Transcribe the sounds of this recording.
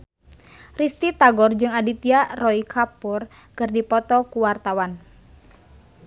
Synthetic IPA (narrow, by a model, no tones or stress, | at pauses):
rist̪it̪aɡɔrd͡ʒɨŋadit̪iarɔikʰapur | kɨrdipɔt̪ɔkuwart̪awan